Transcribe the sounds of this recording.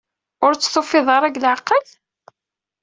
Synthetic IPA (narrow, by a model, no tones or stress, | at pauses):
ʊɾt͡sːθofɪðˤɑɾˤæɡlʕəqːəl